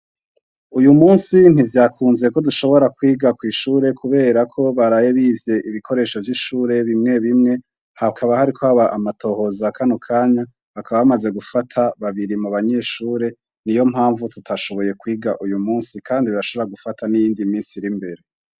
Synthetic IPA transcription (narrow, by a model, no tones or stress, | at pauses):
ujumuːnsin̥ivjaːkʰuːnzeko̞duʃo̞βo̞ɾakwiːɡakwiːʃuːɾe̞kuβe̞ːɾakʰo̞βaɾaje̞βiːvje̞ʔiβikʰo̞ɾe̞ːʃo̞vjiʃuːɾe̞βimŋe̞βimŋe̞ | hakʰaβahaɾikʰo̞haβaʔamatʰo̞ːho̞zakʰanokʰaːɲa | akʰaβaβamaze̞ɡufatʰaβaβiɾimuβaɲe̞ʃuːɾe̞ | nijo̞m̥haːɱvututʰaʃo̞βo̞je̞kwiːɡaʔujumuːnsikʰaːndiβiɾaʃo̞βoɾaɡufatʰanijiːndimiːnsiɾimbe̞ɾe̞